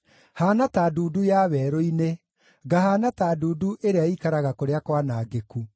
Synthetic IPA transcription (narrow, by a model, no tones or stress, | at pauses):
haːnataːduːdujaβɛːɾoine | ɡaɦaːnataːduːduʔeɾeaikaɾaɣakoɾeakwanaːɡeku